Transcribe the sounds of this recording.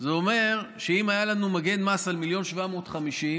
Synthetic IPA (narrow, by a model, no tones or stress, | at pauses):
zeome̞ʁʃeimajalanumaɡe̞nmasalmiljo̞nʃvamo̞ːt̪χamiʃim